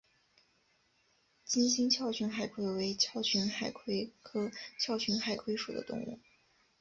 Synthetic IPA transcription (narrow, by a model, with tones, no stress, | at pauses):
t͡ɕi˥nɕi˥ŋt͡ɕʰjɑ˥˩ʊt͡ɕʰy˧˥nxa˨˩ɪkʰwe˥ɪwe˧˥ɪt͡ɕʰjɑ˥˩ʊt͡ɕʰy˧˥nxa˨˩ɪkʰwe˥ɪkʰɤ˥t͡ɕʰjɑ˥˩ʊt͡ɕʰy˧˥nxa˨˩ɪkʰwe˥ɪʂu˨˩d̪ə̰˦t̪ʊ̰˥˧ŋṵ˥˩